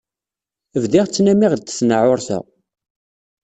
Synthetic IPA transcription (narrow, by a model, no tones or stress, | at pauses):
əvðiʁt͡sːnæmiʁd̪θə̥snəʕʊɾθæ̰